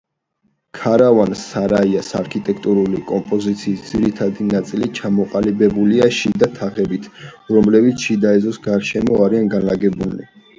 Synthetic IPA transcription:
kʰaɾavansaɾaiasaɾkʰit̪ʼɛkʰt̪ʼuɾulikʼɔmpʼɔzit̪sʰiːsd̪z̥iɾit̪ʰad̪inat̪sʼilit͡ʃʰamɔqʼalibɛbuliaʃid̪at̪ʰaʁɛbit̪ʰɾɔmlɛbit̪sʰʃid̪aɛzɔsɡaɾʃɛmɔaɾianɡanlaɡɛbunḭ

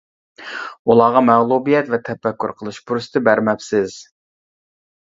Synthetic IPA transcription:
ulˠɑːʁɑmæʁlˠubijɛt̪vɛt̪ʰɛfɛkʰʲːṵɾqʰəlˠɨʃpʰuɾsɨ̥t̪ɪbæɾmɛpsɪz̥

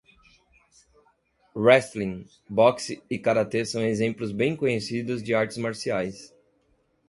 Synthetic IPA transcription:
ɾɛst̪lĩ | bɔksɪkaɾat̪esɐ̃w̃ezẽmplʊzbẽj̃kõɲesid̪ʊzd͡ʒɪaɾt͡ʃɪ̥zmaɾsiajs

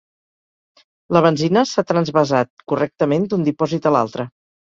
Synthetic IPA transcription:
ləβ̞ənzinəsat̪ɾənzβəzat̪̚kurɛk̚t̪əmend̪und̪ipɔzit̪əla̰lˠt̪ɾə

